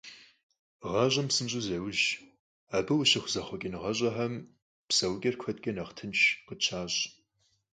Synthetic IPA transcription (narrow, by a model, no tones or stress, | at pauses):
ʁɐʑʼɐmsɨnɕʼʊzɐwʑ | aːbɨwʊɕɪχʷʊzɐχʷɔkʲʼɪnʁɐɕʼɐħɐm | psɐwkʲʼɐrkʷʰɐtʼkʲʼɐnɐχtʰɨnʃqət͡ʃʰaːɕʼ